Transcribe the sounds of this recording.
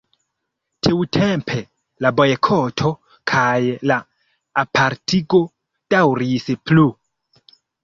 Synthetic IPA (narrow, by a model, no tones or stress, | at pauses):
tʰiwtʰempʰe̞ | labo̞jkʰotʰo̞ | kʰajlaː | pʰaɾtʰiɡo̞ | d̥awɾisplu